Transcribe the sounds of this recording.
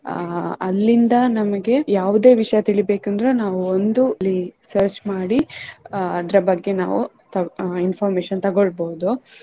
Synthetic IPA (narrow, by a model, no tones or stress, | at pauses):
ɐ̰lːind̪ɐnɐmɐɡe̞jaːʋud̪eːʋiʂɐjɐt̪iɭibe̞ːkɐnd̪ɾenaːʋuond̪ulːisɐɾt͡ʃmaːɽi | ɐd̪ɐɾɐbɐɡːe̞na̰ːʋu | t̪ɐinpʰɐːɾmeːʃɐnt̪ɐɡoɭboːd̪u